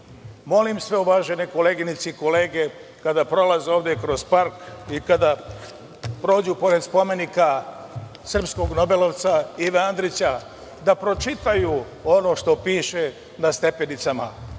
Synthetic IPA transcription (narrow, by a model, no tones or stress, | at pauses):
mo̞limsʋe̞uʋaːʒe̞ne̞ko̞le̞ɡinit̪siko̞le̞ːɡekad̪apɾo̞lazeoːʋd̪jekɾo̞zpaɾkikad̪a | pɾo̞ːd͡ʑupo̞ɾe̞d̪spo̞me̞nika | sr̩psko̞ɡno̞be̞loʋt̪saiʋeand̪ɾit͡ɕa | d̪apɾo̞t͡ʃit̪aju | ono̞ʃt̪o̞piːʃe̞ | nast̪e̞pe̞nit̪sama̰